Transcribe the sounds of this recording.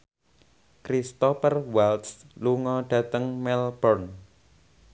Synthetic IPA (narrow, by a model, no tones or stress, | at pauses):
kɾist̪ɔfərwalt̪sluŋɔɖ̥ä̤t̪əŋmɛlb̥ɔrn